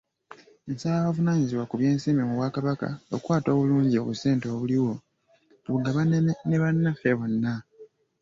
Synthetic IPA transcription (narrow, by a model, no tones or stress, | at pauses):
ensalaβavunaːɲiziβwakuβje̞ːnsiːmimuβwaːkaβaka̰okwaːto̞ːβuluːɲɟio̞̰βuseːnto̞ːβuliwo̞ | βuɡaβaneβanːafeβo̞nːa